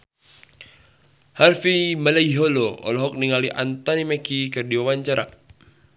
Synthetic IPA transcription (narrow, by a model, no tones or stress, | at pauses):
harfimalaiɦoloɔ̰lɔɦɔk̚niŋaliʔa̰nt̪ɔnimɛkikərdiwawaɲt͡ʃaɾa̰